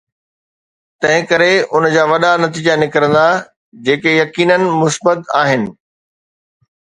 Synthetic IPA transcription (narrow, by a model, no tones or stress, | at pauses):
t̪ɐ̃ɦɪ̃kɐɾeʊnd͡ʑaːʋɐɗanɐt̪iːd͡ʑanɪkɾə̃nd̪a | d͡ʑeːkejɐkiːnənɪ̆mʊsbət̪aːɦɪnɪ̆